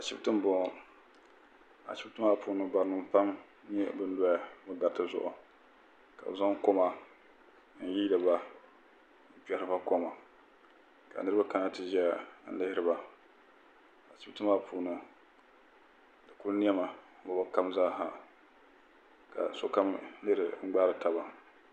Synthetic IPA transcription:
a˨ʃi˦tɨ˦m˦bɔ˨ | a̰˨ʃi˦btɨ˦ma˦˨pʰuː˨nɨ˨ba˨ɾnɨ˨mpa˦m | ɲɛ˦bɨ˦n˦dɔ˦ja˨bɨ˦ɡa˨ɾtɨ˦zʊ̰˦ʔʊ̰˨ | ka̰˨za˦ŋ˦ko˦ma˨˦ | n̩˨ji˦dɨ˨ba˦˨ | pɛ˨ɾɨ˦ba˦ko˦ma˨ | ka̰˨nɨ˦ɾɨ˦ba˦ka˦na˦tɨ˦ʒɛ˦˨n̩˦lɪ˦hɪ˦ɾɨ˨ba˨ | a˨t͡ʃi˦btɨ˦ma˦pʰuː˨nɨ˨ | dɨ˨ku˦lni˦ɛ˦ma˨˦ba˨ba˦ka˦mzaː˦ɦa˨ | ka̰˨so˦ka˦mlɨ˦hɨ˨ŋ͡m̩˦ɡ͡baː˦ɾɨ˨ta˨ba˨

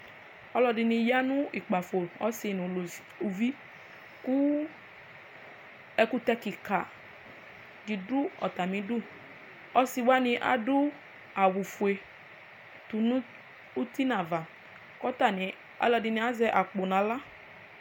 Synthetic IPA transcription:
ɔ˦lɔ˧dɪ˧nɪ̃˧ja˦nʊ̃˦ʔi˨k͡pa˨fo˨lɔ˦sɪ˨nũ˨ | u˨vi˦ | ku˦ | ɛ˧ku˦t̪ɛ˧ki˨ka˨ | di˨dʊ˦ɔ̰˨t̪a˨mĩ˨˦dʊ˦˨ | ɔ˦si˨wa˦nɪ̃˧ʔa̰˨dʊ˦ | a˨wu˨fu˨e˨ | tu˨n˦ | u˦ti˦nã˨va˨ | kɔ˦ta˨nɪ˨ | a̰˨lɔ˧dɪ˨nĩ˨a˦zɛ˦ʔa˨k͡po˨nã˨la˦

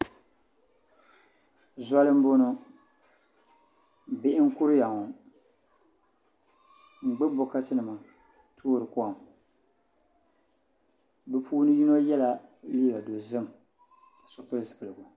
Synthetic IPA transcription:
za˦lɨ˦m̩˦bo˦nʊ˦ | bɪ˦ʔɪ˦ŋ̩˦kʊ˦ɾɨ˦ja˨ŋɔ˨ | ŋ͡m̩˨ɡ͡bɛ˦bo˦ka˦tɨ˦nɨ˨ma˨ | tʰoː˦ɾɨ˨kɔ˦a˨m | bɛ˨puː˦nɨ˦ji˦no˦jɛ˦la˨li˦ɡa˨do˨zɨ˦m˨ | a˨sʊ˦pɨ˦ɾzɨ˨pɨ˨lɨ˨ɡu˨

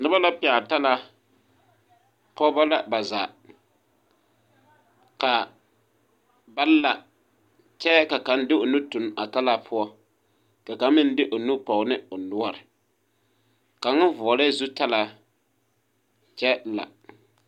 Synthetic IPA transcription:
nʊ˦ba˦la˦pɪ˨a˨ta˦la˦ | pɔ˦ba˦la˦ba˨za̰ː˨ | ka˨ | ba˦lla˨ | t͡ʃɛ˦ka˨ka˨˦ndɪ˦o˨nu˦tu˨na˨ta˦la˦pʰʊ˦ɔ˦ | ka˨ka˨˦m˦mɪ˦n˦dɪ˦ʔo˨nu˦pɔ˨ɣʊ˨nɪ˦ʊ˨nʊ˦ɔ˦˨ɾɪ˨ | ka˨ŋʊ˦nvʊ˨ɔ˨lɛ˦zu˦ta˦la˦ | t͡ʃɛ˦la̰˨

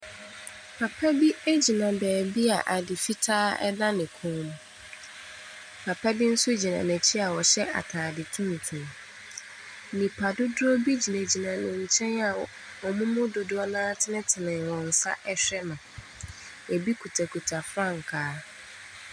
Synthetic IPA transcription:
pʰa˨pʰɛ˦bi˦e˦d͡ʑi˨nã˨bɛː˨bi˦a˨ʔa˨dɪ˨fi˦tʰaː˦ɛ̰˦da˦nɪ̃˨kʰʊ̃˦m̃˨ | pʰa˨pʰa˦bi˦n̩˦sʊ˦d͡ʑi˨nã˨nɛ̃˨t͡ɕʰi˦a˨wɔ˨ɕɛ˦ʔa̰˨tʰaː˨dɪ˨tʰũ˦n˨tʰũ˨ | nĩ˨pʰa˨dʊ˦dʊ˦o˦bi˦d͡ʑi˨næ̃˨d͡ʑi˨nã˨nɪ̃˨ɲ̩˨t͡ɕʰɛ̃˦na˨ | wɔ˨mʊ̃˦mʊ̃˦do˨dʊ˦ɔ˦nãː˦tʰɪ˦nɪ̃˦tʰɪ˨nɪ̃˨wɔ̃˨n̩˨sa̰˦ʔɛ˦ɕᶣɛ˦mã˨ | ɛ˨bi˦kʰu˨tʰa˨kʰu˨tʰa˨fɾã˦˨ŋ̩˨kʰaː˨˦

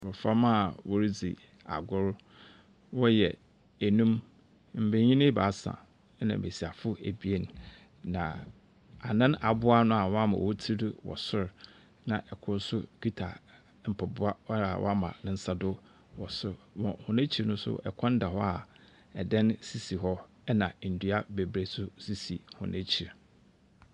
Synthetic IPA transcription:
wʊ˨fa˦mã˦˨wɔ˨ɾi˦d͡zḭ˨ | a̰˨ɡʊ˦ɾ | wɔ˦jɛ˨ | æ˨nũ˦m | m̩˨be˨ɲĩ˦nɪ̃˦ba˨˦sã̰˨˦ | nã̰˨be˨si˨a˨fʊ˦æ˨bi˦e˦n˨ | nã˨ | a˨nã˦na˨bʊ˦a˦nʊ̃˦a˨wɔ˦a˦mã̰˨wɔ˦tʰi˦dʊ˦wɔ̰˨sʊ˦ɾ | nã˨ʔɛ˨kʰʊ̃˦n˦sʊ˦ki˦tʰa̰˨ | m̩˨pʰɛ˨bʊ˦a˦a˨wɔ̰˦a˦mã̰˨nʊ̃˦n̩˦sa˦dʊ˦ | wɔ˨sʊ˦ɾwɔ̃˨hʊ̃˨næ̃˦t͡ɕʰi˨nʊ̃˦sʊ̰˦ʔɛ̰˨kʰã˦n˦da˨hɔ˦a˨ | ɛ˨dɛ̃˦nsi˨si˨ɦɔ˦ | ɛ˦nã˨n̩˨du˦a˦be˨bɾe˨sʊ˦si˦si˨hʊ̰̃˨nʔẽ˦t͡ɕʰi˨ɾ

